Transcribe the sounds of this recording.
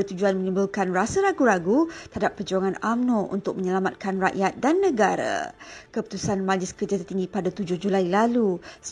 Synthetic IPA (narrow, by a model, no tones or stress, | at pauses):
ət̪ud͡ʒuanmə̃ɲĩmbulkanrasəɾaɡuɾaɡut̪əɦadapːəd͡ʒuaŋãnamnõṵnt̪ʊk̚mə̃ɲəlamat̪̚kanra̰ʔjat̪̚danːə̃ɡaɾa̰kəpu̥t̪usanmãlɪskərd͡ʒat̪ərt̪iŋɡipadat̪ud͡ʒʊhd͡ʒulailalus